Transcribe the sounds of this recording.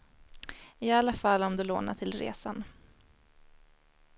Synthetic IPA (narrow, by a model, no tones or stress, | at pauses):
ɪalːafalːɔmd̪ɵlo̰ːna̰ʈʰɪlɾḛːsan